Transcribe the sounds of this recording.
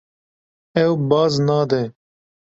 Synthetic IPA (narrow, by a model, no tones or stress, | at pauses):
ɛwbɑːznɑːd̪ɛ